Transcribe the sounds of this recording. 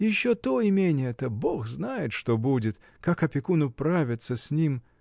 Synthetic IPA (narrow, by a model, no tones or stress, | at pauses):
jɪɕːot̪oɪmʲenʲɪjɛt̪əbo̞xznajɪt̪ʂt̪o̞budʲɪt̪ | kakɐpʲɪkunʊpɾavʲɪt̪səsʲnʲim